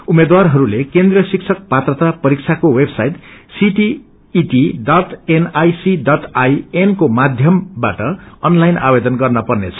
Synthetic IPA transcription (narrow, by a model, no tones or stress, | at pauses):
umed̪warɦʌɾulekend̪riʌsik̚t͡sʰʌk̚pat̪rʌt̪apʌɾik̚t͡sʰakowebsajʈsiʈiː | ʈiɖʌʈenajsiɖʌʈʰajenkomad̪ʱjʌmbaʈʌʌnlajna̰bed̪ʌnɡʌrnʌpʌrnet͡sʰʌ̥